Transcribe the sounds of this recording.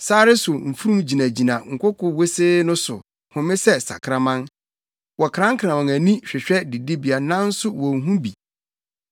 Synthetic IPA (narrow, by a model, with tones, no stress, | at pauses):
saː˦ɾɪ˦sʊ˨m̩˨fu˦ɾũ˦md͡ʑi˨nã˨d͡ʑi˨nã˨ŋ̩˨kʷʰʊ˦kʰʊ˨we˦seː˦nʊ̃˦sʊ˨ | hʊ̃˨mɪ̃˦sɛ˦sa̰˨kʰɾã˨mã˦ŋ | wɔ˨kʰɾã˦ŋ̩˦kʰɾã˨mã˨ŋæ˨nĩ˦ɕᶣɛ˨ɕᶣɛ˦di˨di˦bi˨a˨nã˦n̩˦sʊ˦wɔ̃˨ŋ̩˨ɦũ˦bi˨